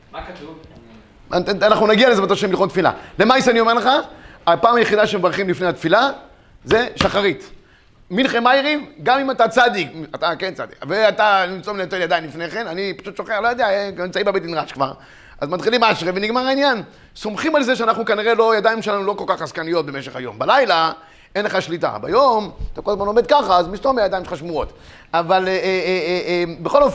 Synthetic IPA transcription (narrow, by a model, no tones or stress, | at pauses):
aanaχnunaɡialezematoʃemilχontfila̰lemajsanio̞meʁleχaapaːmajeχid̪aʃemevaʁχimlifnejat̪fila | ze̞ʃaχaʁit̪ | minχemajʁivɡamimatat͡sad̪ikatakent͡sa̰d̪ḭkveat̪animt͡sominetfeljadainlifneχe̞nanipḁʃut̪ʃoχeʁlojadejaenimt͡saimbebetinʁaʃkva̰ʁ | a̰zmat̪χilimaʃʁeveniɡmaʁainjan | so̞mχimalze̞ʃeanaχnukaniʁelo̞jad̪aimʃelanulo̞ko̞lkaχazkanijo̞t̪̚bemeʃeχajo̞̰mbalajla | enleχaʃlita̰ba̰jo̞mt̪akolazmano̞med̪̚kaχaːzmistomejad̪ajimʃeχaʃmuo̞t | aval | mbeχo̞lof